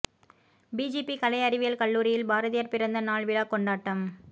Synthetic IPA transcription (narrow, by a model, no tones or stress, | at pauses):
biːd͡ʒiːpːikɐlɐɪɐɾɪʋɪjɐlkɐɭːuːɾɪjɪlbaːɾɐðɪjɐɾpɪɾɐnd̪ɐnaːɭʋɪlaːkɔɳɖaːʈːɐm